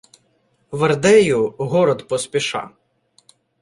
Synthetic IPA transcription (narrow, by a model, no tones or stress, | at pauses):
ʋɐrd̪ɛjʊɦɔɾɔd̪pɔspʲiʃɑ̰